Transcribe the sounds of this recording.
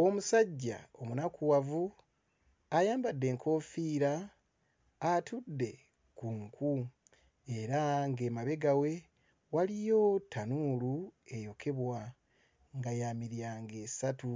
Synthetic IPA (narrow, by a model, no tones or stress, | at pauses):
o̞musaɟːa̰o̞munakuwavu | ajaːmbadːe̞ːŋkʰo̞ːfiːɾaː | tʰudːe̞ | kuŋkʰu | e̞ɾaŋɡe̞maβe̞ɡawe̞ | walijo̞tʰːanuːlue̞jo̞kʰe̞βwa | ŋɡajaːmiɾjaŋɡe̞ːsatu